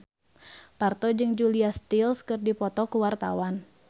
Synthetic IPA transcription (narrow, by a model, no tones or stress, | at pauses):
part̪ɔd͡ʒɨŋd͡ʒuliast̪ilskɨrdipɔt̪ɔkuwart̪a̰wan